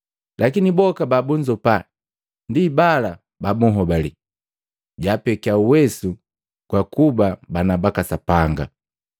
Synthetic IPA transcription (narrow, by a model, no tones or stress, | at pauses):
lʔakinibɔkababuɲd͡ʒɔpa | ndibala | babuɦɔbali | ɟapɛkiauwɛsu | kwakubabanabakasapaŋɡa̰